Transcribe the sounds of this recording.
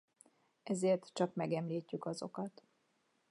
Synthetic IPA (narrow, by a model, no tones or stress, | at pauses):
ʔɛzeːrt̪t͡ʃɒkmɛɡɛmliːcːykɒzo̞̰kɒt̪